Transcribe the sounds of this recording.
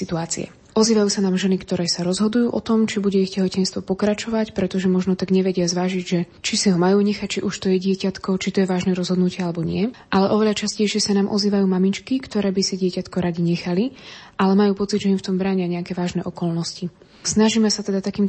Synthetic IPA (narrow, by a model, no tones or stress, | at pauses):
sit̪uaːt͡sḭɛ̰ | ʔɔziːʋajuːsanaːmʒɛnikt̪ɔɾɛːsaɾɔzɦɔd̪ujuːʔɔt̪ɔmt͡ʃibuɟɛiɣcɛɦɔcɛnst̪ʋɔpɔkɾat͡ʃɔʋacpɾɛt̪ɔʒɛmɔʒnɔt̪aɡɲɛʋɛɟɪazʋaːʒiɟʒɛt͡ʃisiɦɔmajuːɲɛxac̚t͡ʃiʔuʃt̪ɔjɛɟɪɛcat̪kɔt͡ʃit̪ɔjɛʋaːʒnɛːɾɔzɦɔd̪nucɪɛalɛbɔɲɪɛʔalɛʔɔʋɛʎat͡ʃascɛjʃɪɛsanaːmʔɔ̰ziːʋajuːmamit͡ʃkikt̪ɔɾɛːbisiɟɪɛcat̪kɔɾaɟiɲɛxaliʔalɛmajuːpɔt͡sid̪ʒɛimft̪ɔmbɾaːɲɪaɲɛakɛːʋaːʒnɛʔɔkɔlnɔsci | snaʒiːmɛsat̪ɛd̪at̪akiːm